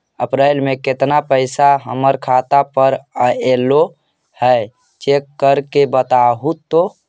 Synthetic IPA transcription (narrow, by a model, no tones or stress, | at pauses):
əpɾaɪlmẽket̪napəɪsaɦəməɾkʰat̪apəɾəelo | həj | t͡ʃekːəɾkebət̪aɦut̪ːo